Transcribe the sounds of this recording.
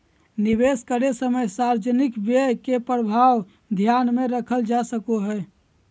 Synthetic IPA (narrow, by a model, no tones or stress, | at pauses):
niβeskəɾesəməjsaɾd͡ʒənikbekepɾəbʱaw | d̪ʱjanmeɾəkʰəld͡ʒasəkoɦəj